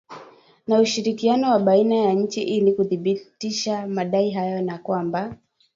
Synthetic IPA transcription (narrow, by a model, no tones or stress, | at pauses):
nauʃiɾikianɔwaɓainajaɲ̩t͡ʃiʔilikuθiɓitiʃamaɗaiɦajɔnakwamba